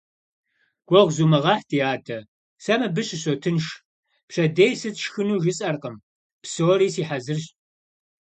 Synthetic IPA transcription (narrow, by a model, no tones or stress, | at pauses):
ɡ̥ʷɔʁʷzuːmɨʁɑħtʰiːaːtʰɐ | sɐmɐbɨɕʼɪɕoːtʰɨnʃ | pɕɐdejsɨtʃxɨnuːʒɨt͡sʼɐrqəm | psoːɾiːsiːħazɨrɕ